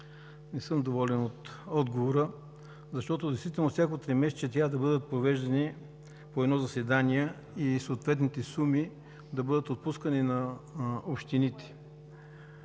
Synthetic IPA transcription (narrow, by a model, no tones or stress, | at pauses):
nɛsɤmd̪ovɔlɛnot̪ɔd̪ɡovoɾə | zɐʃt̪ɔt̪od̪ɛst̪vit̪ɛlˠnofsʲjakot̪ɾɛmɛst͡ʃɛt̪ɾʲavəd̪ɐbɤd̪ət̪̚pɾovɛʒd̪ɐni | poɛd̪nɔzɐsɛd̪aniɛ | isoːt̪vɛt̪nit̪ɛsumi | d̪ɐbɤd̪ət̪ot̪̚puskəninɐopʃt̪init̪ɛ̥